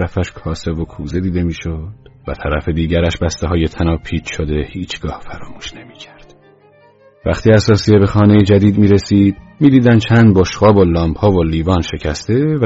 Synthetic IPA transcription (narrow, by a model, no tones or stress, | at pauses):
ɾæfæʃkʰɒːse̞vokʰuːze̞d̪iːd̪e̞miːʃod̪̥væt̪ʰæɾæfe̞d̪iːɟæɾæʃbæst̪eɦɒːje̞t̪ʰænɒːpʰiːt͡ʃʃod̪e̞hiːt͡ʃʰɡ̥ɒːhfæɾɒːmuːʃne̞mi̥ːcʰæɾd̪̥ | væχt̪ʰiːæsɒːsiebe̞xɒːne̞jed͡ʒæd̪iːd̪miːɾe̞siːd̪miːd̪iːd̪ænd̪t͡ʃʰænd̪̚boʃɣɒːbolɒːmbhɒːvoliːvɒːnʃe̞cʰæst̪e̞v